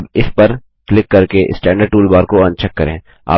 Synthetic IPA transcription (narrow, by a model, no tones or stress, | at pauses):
bɪspɐɾ | klɪkːɐɾkeʔɪ̰sʈɛ̃ːɳɖəɾɖ̚ʈuːlbaːɾkoɐ̃nt͡ʃʰəkːɐɾḛ̃ː | a̰ː